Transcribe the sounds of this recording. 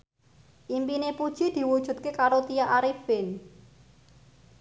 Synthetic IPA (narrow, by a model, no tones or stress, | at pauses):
ʔimpinepud̥ʒ̥i̤d̪̥i̤wud̥ʒ̥ṳt̪̚kekaɾot̪ijaʔaɾifɪn